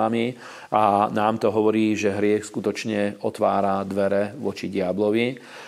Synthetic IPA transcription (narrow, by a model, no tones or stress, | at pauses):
ami | anaːmt̪ɔɦɔʋɔɾiːʒɛɦɾɪɛxskut̪ɔt͡ʃɲɛɔt̪ʋaːɾad̪ʋɛɾɛʋɔt͡ʃiɟɪablɔʋi